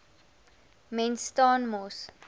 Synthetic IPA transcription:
mɛnstɔ̃ːnmos

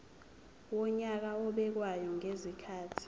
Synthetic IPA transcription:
wɔɲak̬aɔɓɛk̬wajɔŋezikʰaːtʰi̥

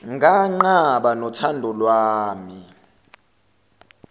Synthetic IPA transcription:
ŋɡʱaŋ͡ǃaɓanɔtʰandʱɔlwaːmi

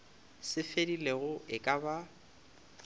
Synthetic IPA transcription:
sɪfedileɣʊʔɪkʼaba

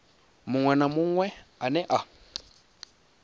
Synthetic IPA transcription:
mʊŋwɛnamʊŋwɛanɛʔa

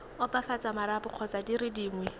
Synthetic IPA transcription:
ʊpafat͡samaɾapʊq͡χʰɔt͡sadiɾɪdiːŋwɛ

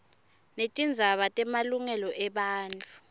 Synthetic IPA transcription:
netʼind͡zʱaɓatʼɛmaluŋɛlɔʔɛɓaːntʼu

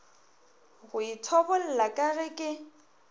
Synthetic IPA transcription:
ɣʊitʰɔbɔl̩lakʼaɣɛkʼɪ

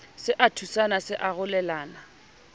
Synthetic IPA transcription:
sɪʔatʰusanasɪʔaɣʊlɛlaːna

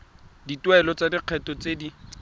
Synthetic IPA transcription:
ditwɛlɔt͡sadiq͡χʰɛtɔt͡sedi

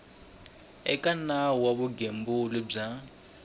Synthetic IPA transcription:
ɛ̰kʼanawaβʊɡembʊlɪb͡ʐa

